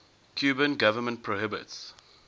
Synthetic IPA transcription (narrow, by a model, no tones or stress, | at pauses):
kʰjuːbə̃nɡavəmə̃nt̚pʰɹoɦɪbɪ̰ts